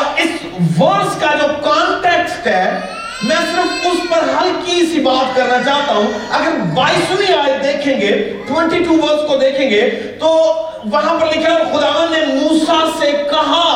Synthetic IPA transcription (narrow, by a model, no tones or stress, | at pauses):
ɪs | ʋɐɾskaːɪɖɔʋkaːnʈeːksʈɦɛː | mɛ̃ːsɪɾəfʊspɐɾɦɐlkisibaːt̪kɐɾnat͡ʃaːɦt̪aɦũɐɡəɾʋaːɪsʊniaːjd̪eːkʰẽːŋɡe | ʈwɛ̃ɳʈiʈuːʋɐɾskod̪eːkʰẽːŋɡeː | t̪oː | ʋɐɦãpɐɾlɪkʰiaɾxʊd̪aːʋə̃nd̪nemuːsasekɐɦa